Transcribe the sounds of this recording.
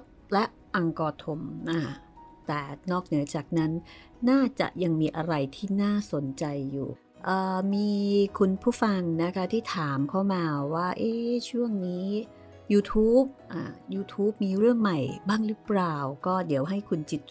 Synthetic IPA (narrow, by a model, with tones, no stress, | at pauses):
lɛ˦˥ʔ | ʔa˧ŋkɔː˧t̪ʰo˧mʔa˧˩ | t̪ɛː˨˩nɔː˥˩k̚nɯ˩˦ɐt͡ɕaː˨˩k̚na˦˥nː | aː˥˩t͡ɕa̰˨˩ʔja˧ŋmiː˧ʔa˧ɾa˧jt̪ʰiː˥˩naː˥˩so˩˦nt͡ɕa˧jːṵː˨˩ | ʔəː˨˩miː˧kʰu˧npʰuː˥˩fa˧ŋna˦˥kʰa˦˥t̪ʰiː˥˩t̪ʰaː˩˦mkʰa˦˥˩wmaː˧waː˥˩ʔeː˧˥˩t͡ɕʰu˥˩əŋniː˦˥ | juː˧t̪ʰuː˦˥p̚ʔa̰ː˧˩juː˧t̪ʰuː˦˥p̚miː˧ɾɯ˥˩əŋma˨˩jbaː˥˩ŋɾɯ˦˥plaː˨˩wkɔː˥˩di˨˩˦wɦa˥˩jkʰu˧nt͡ɕi˨˩t̪̚